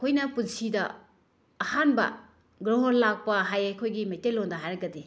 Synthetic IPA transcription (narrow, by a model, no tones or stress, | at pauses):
kʰojnɐpunsidɐː | hanbɐ̰ | ɡɾoɦoɾlak̚pɐɦajajkʰojɡimejtelːondɐɦaɾɐɡɐde